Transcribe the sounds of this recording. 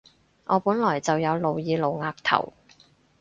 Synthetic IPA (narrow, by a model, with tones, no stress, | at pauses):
ʔɔː˨˧puː˨˥nlɔː˨˩jt͡sɐ˨wjɐ˨˧wlo˨˧wjiː˨˧lo˨˧wŋaː˧k̚t̪ʰɐ̰˨˩w